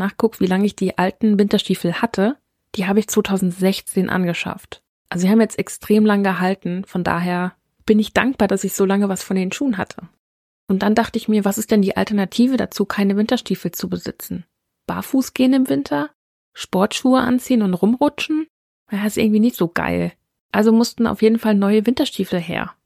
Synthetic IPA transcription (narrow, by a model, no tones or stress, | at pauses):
naːχkʰʊk̚tv̥iːlaŋəɪçd̥iːʔaltn̩vɪntɐʃtiːfl̩hatʰə | d̥iːɦaːbəɪçt͡sv̥oːtʰaʊzn̩tz̥ɛçt͡seːnʔa̰nɡəʃa̰ft | ʔalzozihaːməjɛt͡stɛkstʁ̥eːmlaŋəɡəɦaltn̩fɔnda̰ːɦeːɐ | b̥ɪnɪçd̥a̰ŋk̚b̥aːɐdasɪçz̥oːlaŋəvasfɔndeːnʃuːənɦa̰tʰə | ʔʊnt̚d̥and̥aχtəɪçmiːɐvasɪstd̥ɛndiːʔa̰ltɛɐnatʰiːvəda̰t͡suːkʰaɪnəvɪntɐʃtiːfl̩t͡subəzɪ̰t͡sn̩ | b̥a̰ːfuːsɡ̥eːənɪmvɪntʰɐ | ʃpɔɐtʃuːəʔa̰nt͡siːənʊntʁʊmʁʊt͡ʃn̩ | aɪstɪ̰ɐɡŋ̩tv̥iːnɪçtz̥oːɡa̰ɪl | ʔalzomʊstn̩a̰ʊfjeːdn̩falnɔʏəvɪntɐʃtʰiːfl̩ɦḛːɐ